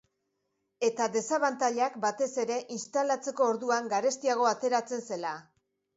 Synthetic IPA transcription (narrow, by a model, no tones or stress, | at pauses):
e̞t̪aðe̞saβant̪aʎakbat̪e̞se̞ɾe̞ʔinst̪alat͡se̞ko̞ːɾðuaŋɡaɾe̞st̪iaɣ̞o̞at̪e̞ɾat͡se̞nse̞la